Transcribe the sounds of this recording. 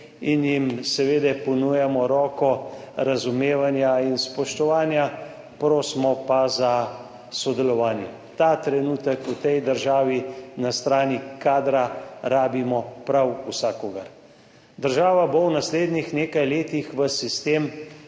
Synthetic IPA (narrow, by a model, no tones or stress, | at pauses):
injimsɛʋeːd̪ɛpɔnujɛmɔɾɔːkɔɾazumeːʋanjainspɔʃt̪ɔʋaːnja | pɾoːsmɔpaza | sɔd̪ɛlɔʋaːnjɛ | t̪at̪ɾɛnuːt̪əkut̪ɛjd̪əɾʒaːʋinast̪ɾaːnikaːd̪ɾaɾaːbimɔpɾawusaːkɔɡaɾ | d̪əɾʒaːʋabownasleːd̪nixneːkajleːt̪ixʋəsist̪eːm